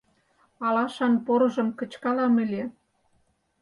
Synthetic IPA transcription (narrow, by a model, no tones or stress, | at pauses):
ɑlɑʃɑnpoɾɤ̆ʒə̆mkə̆t͡ɕkɑlɑmɘ̆lʲe